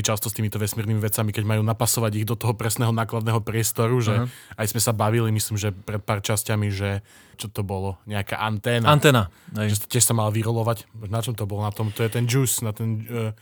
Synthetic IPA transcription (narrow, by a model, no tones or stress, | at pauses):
it͡ʃast̪ɔst̪iːmit̪ɔʋɛsmiːɾnimiʋɛt͡samikɛɟmajuːnapasɔʋaɟiɣd̪ɔt̪ɔɦɔpɾɛsnɛɦɔnaːklad̪nɛɦɔpɾɪɛst̪ɔɾuʒɛajzmɛsabaʋilimislimʒɛpɾɛt̪̚paːrt͡ʃascamiʒɛ | t͡ʃɔt̪ɔbɔlɔɲɛaka̰ːʔant̪ɛːnaant̪ɛːnaʒɛscʲɪɛʃsamalʋiɾɔlɔʋacnat͡ʃɔmt̪ɔbɔlɔnat̪ɔmt̪ɔjɛt̪ɛnd͡ʒuːsnat̪ɛn